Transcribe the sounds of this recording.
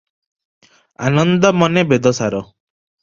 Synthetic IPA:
anɔnd̪ɔmɔnebed̪ɔsaɾɔ

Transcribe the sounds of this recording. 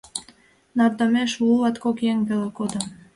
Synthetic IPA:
nɑrd̪ɑmeʃulɑt̪kokjeŋvelekod̪ə̆m

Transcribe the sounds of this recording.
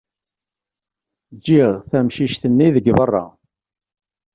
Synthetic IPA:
d͡ʒːiʁθæmʃiʃθənːiðəɡvərˤːɑ̰

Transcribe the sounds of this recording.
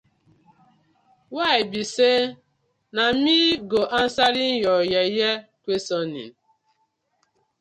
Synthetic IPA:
waɪbise | nam̩iɡoʔan̩saɾin̩jɔjajekʷesɔnḭ

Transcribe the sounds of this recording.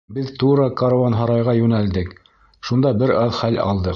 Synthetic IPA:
bɘðt̪uɾɤkɑɾɑnɦɑɾɑjʁɑjʉnæld̪ɘk | ʃund̪ɑbɘɾɑðχælɑ̰lˠd̪ɤ

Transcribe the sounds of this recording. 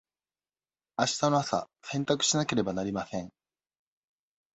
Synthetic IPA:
aɕi̥t̪ano̞asa̰ | sẽ̞nt̪akɯ̟̥ɕinake̞ɾe̞banaɾʲimasẽ̞ŋ

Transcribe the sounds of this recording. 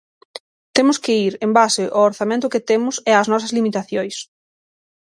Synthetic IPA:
t̪emʊskɪiɾembasɪʔooɾθamẽnt̪̬ʊkɪt̪emʊsɛɐznɔs̬ɐzlimit̪aθjojs

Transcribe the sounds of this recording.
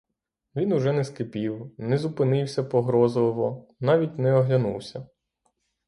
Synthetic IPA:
ʋʲinʊʒɛnɛskɪpʲiwnɛzʊpɪnɪwsʲɐpɔɦɾɔzlˠɔʋɔnɑʋʲitʲnɛɔɦlʲɐnṵwsʲɐ

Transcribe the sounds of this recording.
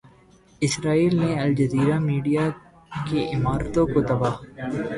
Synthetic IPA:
ɪsɾaːiːlneɐld͡ʒəziːɾaːmiːɖijaː | keʔɪmaːɾt̪õkot̪ɐbaːɦ

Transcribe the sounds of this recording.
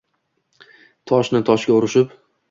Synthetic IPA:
t̪ʰɒʃnɪt̪ʰɒʃɡʲaʊɾɪʃɪp

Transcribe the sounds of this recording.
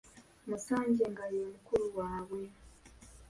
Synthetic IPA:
musaːɲɟe̞ŋɡaɾiomukuɾuwaːβwe̞

